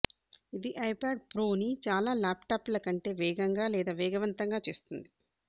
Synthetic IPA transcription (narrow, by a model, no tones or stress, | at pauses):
id̪iʔɐjpaːɖ̚pɾoːnit͡ʃaːlaːlaːpʈaːplɐkɐɳʈe̞ːʋɛːɡɐŋɡaːlɛːd̪aːʋɛːɡɐʋɐnt̪ɐŋɡaːt͡ʃe̞ːst̪und̪i